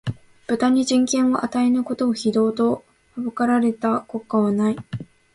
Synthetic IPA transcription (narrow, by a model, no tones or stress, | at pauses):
b̥ɯ̟t̪aɲ̟iʑĩŋkẽ̞ɰ̃o̞ʔat̪ae̞nɯ̟ko̞t̪o̞ːçid̪o̞ːt̪o̞ | habɯkaɾaɾe̞t̪ako̞kːaβanai